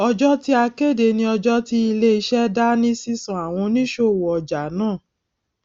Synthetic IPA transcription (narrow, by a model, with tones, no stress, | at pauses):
ɔ˧d͡ʒɔ˦ti˦a˧ke˦˨de˨˧˨nĩ˧ɔ˧d͡ʒɔ˦ti˦i˧le˦i˧ʃɛ˦da˦nĩ˦si˦sã˨a˨w̃ɔ̃˧nĩ˦ʃo˧˨wɔ˨ɔ˨d͡ʒa˨˦nãː˦˨